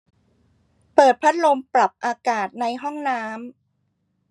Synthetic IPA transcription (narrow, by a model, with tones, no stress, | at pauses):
pɤː˨˩t̪̚pʰa˦˥t̪̚lo˧mpɾa˨˩p̚ʔaː˧kaː˨˩t̪̚na˧jɦɔ˥˩ŋnaː˦˥m